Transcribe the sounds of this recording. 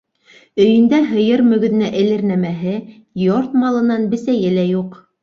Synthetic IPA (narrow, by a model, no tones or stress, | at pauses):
ɵ̆jɘ̆nd̪æɦɤ̆jɤɾmɵ̆ɡɵ̆ðɘ̆næʔɘ̆lɘ̆ɾnæmæɦɘ | joɾt̪mɑlˠɤ̆nɑnbɘ̆sæjɘlæjuq